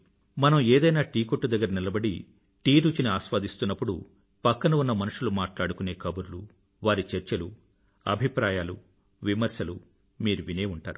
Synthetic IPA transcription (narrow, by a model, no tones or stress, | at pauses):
mɐnɐmeːd̪ɐjnaːʈiːkoʈːud̪ɐɡːɐɾɐnilɐbɐɽḭ | ʈiːɾuːt͡ʃiniaːʃʋaːd̪ist̪unːɐpːuɽṵ | pɐkːɐnɐunːɐmɐnuʂulumaːʈlaːɽukune̞ːkɐbuɾlu | ʋaːɾit͡ʃɐɾt͡ʃɐlu | ɐ̰bʱipɾaːjaːlu | ʋimɐɾsjɐlu | miːɾuʋineːuɳʈa̰ːɾu